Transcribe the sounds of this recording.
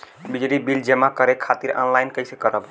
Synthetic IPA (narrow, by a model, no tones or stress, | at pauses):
bid͡ʒlibild͡ʒemakəɾekʰat̪iɾɔ̰nlajnkəɪsekəɾəb